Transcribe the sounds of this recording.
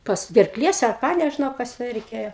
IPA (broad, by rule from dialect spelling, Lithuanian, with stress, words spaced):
ˈpɐs ɡʲɛrˈklʲiɛs ɐr ˈkɑː nʲɛʒʲɪˈnɐʊ ˈkɐs jɛʊ rʲɛɪˈkʲeːjoː